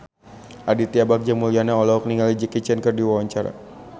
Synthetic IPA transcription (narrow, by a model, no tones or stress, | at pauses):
ʔadit̪iabak̚d͡ʒamulianaɔlɔɔkniŋɡalid͡ʒəkit͡ʃɛnkərdiwawaɲt͡ʃaɾa̰